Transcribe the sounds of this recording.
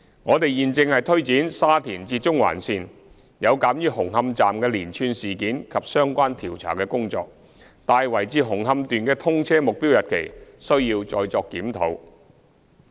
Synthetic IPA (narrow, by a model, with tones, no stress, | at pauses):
ŋɔː˨˧t̪e˨jjiː˨nt͡sɪ˧ŋhɐ˨jt̪ʰɵ˥ɥt͡siː˨˥nsaː˥t̪ʰiː˨˩nt͡siː˧t͡sʊ˥ŋwa̰ː˨˩nsiː˨n | jɐ˨˧wkaː˨˥mjyː˧hʊ˨˩ŋhɐ˧mt͡saː˨mkɛː˧liː˨˩nt͡ʃʰyː˧nsiː˨˩kiː˨˥nkʰɐ˨p̚sœː˥ŋkʷaː˥nt̪ʰiː˨˩wt͡sʰa̰ː˨˩kɛː˧kʊ˥ŋt͡sɔ̰ː˧k̚ | t̪aː˨˧jwɐ˨˩jt͡siː˧ɦʊ˨˩ŋɦɐ˧mt̪yː˨nkɛː˧t̪ʰʊ˥ŋt͡sʰɛː˥mʊ˨k̚piː˥wjɐ˨t̚kʰe˨˩jsɵ˥ɥjiː˧wt͡sɔː˨˧jt͡sɔː˧kːiː˨˥mt̪ʰo̰˨˥w